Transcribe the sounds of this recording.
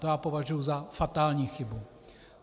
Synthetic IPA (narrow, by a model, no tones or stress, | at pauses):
t̪ojaːpovaʒujuzafat̪aːlɲiːxɪbu